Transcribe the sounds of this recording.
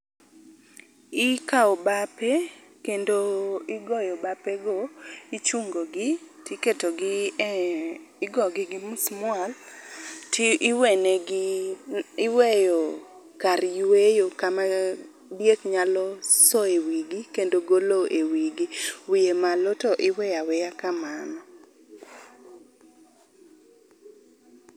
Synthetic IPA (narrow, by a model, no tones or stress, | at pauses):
ɪkaɔbapekendoɪɡɔjɔbapeɡoit͡ʃuŋɡoɡɪtjeketoɡɪ | ɪɡɔɡɪɡɪmusmʊal | weneɡ | ɪwejɔ | kaɾjwejokama | bjekɲalɔsɔewiɡikendoɡoloʔewiɡiwijemalɔtɔʔɪwɛjawɛjakamanɔ